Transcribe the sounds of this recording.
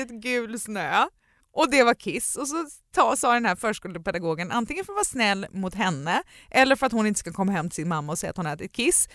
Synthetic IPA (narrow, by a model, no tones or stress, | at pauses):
ɪt̪ɡʉːlsnøː | ʔɔd̪ɛvakʰɪsɔsɔt̪ʰɑːsɑːd̪ɛnhæːɾfœːʂkɵld̪əpɛd̪aɡoːɡənʔa̰nt̪ɪŋːənfœɾt̪vɑːsnɛlːmʊt̪ɦɛnːə | ʔɛlːəɾfœɾat̪hʊnɪnt̪ə̥skakʰɔmːaɦɛmːt̪ʰɪ̥sɪnmamːaɔsɛjːat̪hʊnɛːt̪ɪt̪̚kʰɪs